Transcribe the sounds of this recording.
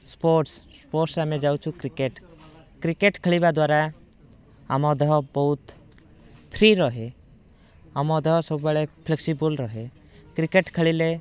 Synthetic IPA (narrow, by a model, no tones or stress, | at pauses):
spoɾʈsspoɾʈsɾamẽd͡ʒawt͡ʃʰukɾikeʈ | kɾikeʈkʰəɭibad̪waːɾa | amɔd̪eɦɔbɔɦut̪ | pʰɾiɾɔɦe | amɔd̪ɔɦɔsɔbbəɭepʰleksibəlɾɔɦe | kɾikeʈkʰəɭile